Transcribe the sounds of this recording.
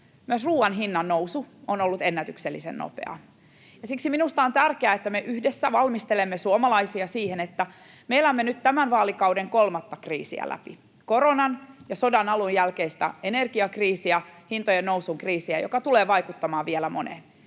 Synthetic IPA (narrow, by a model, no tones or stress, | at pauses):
myøsruːɑnɦinːɑnːousuonolːut̪enːæt̪ykselːisḛnno̰pḛɑ̰ | jɑsiksiminust̪ɑont̪ærkeæet̪ːæmeʔyhdesːæʋɑlmist̪elemːesuomɑlɑisiɑsiːhenet̪ːæ | meilæomːenːyt̪t̪æmænʋɑːlikɑwdeŋkolmɑt̪ːɑkrḭːsḭæ̰lʔæ̰pḭ | koɾonɑnjɑsodɑnɑlujjælkeist̪æ̰enerɡiɑkriːsiæhint̪ojennowsuŋkriːsiæjo̰kɑt̪uleːʋɑikut̪ːɑmɑːʋielæmonḛn